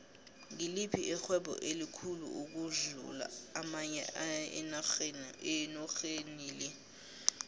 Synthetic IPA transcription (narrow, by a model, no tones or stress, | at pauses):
ŋilipʰiʔɛxwɛɓɔ̰ʔelikʰulṵuk̬uɮṵla̰ːmaɲɛ̰aɛ̰naxnɛnɔxeniːlɛ